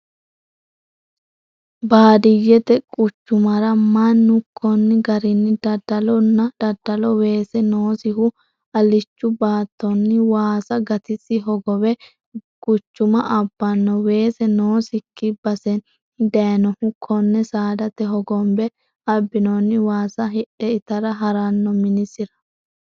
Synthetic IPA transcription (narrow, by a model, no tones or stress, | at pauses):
baːd̪ɪjɛt̪ɛkʼʊt͡ʃːʊmɐɾɐmɐnːʊkʰːɔnːɪɡɐɾɪnːɪd̪ɐd̪ɐlɔnːɐd̪̥ɐd̪ːɐlɔwe̞ːsɛnoːsɪɦʊ | ɐlɪt͡ʃːʊbaːt̪ːɔnːɪwaːsɐɡɐt̪ɪsɪɦɔɡɔwɛ | kʼʊt͡ʃːʊmɐʔɐbːɐnːɔwe̞ːsɛnoːsɪkʰːɪbɐsɛn | d̪ɐjɐnɔhʊkʰːɔnːɛsaːd̪ɐt̪ɛɦɔɡɔmbɛ | ɐbːɪnɔnːɪwaːsɐɦɪɗɛɪt̪ɐɾɐɦɐɾɐnːɔmɪnɪsɪɾɐ̥